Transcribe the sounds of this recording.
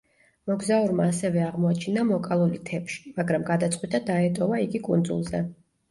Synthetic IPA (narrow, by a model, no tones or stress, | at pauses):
mɔɡzauɾmaːsɛvɛaʁmɔat͡ʃʰinamɔkʼalˠulit̪ʰɛpʃi̥maɡɾamɡad̪at̪sʼqʼwit̪ʼad̪aɛt̪ʼɔvaiɡikʼund̪zṵlˠzɛ̰